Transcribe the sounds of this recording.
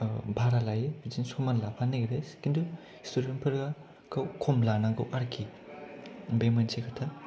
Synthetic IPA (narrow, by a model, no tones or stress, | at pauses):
bʱaɾalajebid͡ʒinsomanlapʰaneɡɾeskindu | stuɾenpʰɯɾɡa | ɡ̥ɐwkʰɔmlanaɡɐwʔaɾkʰi | bemɐnsekʰatʰa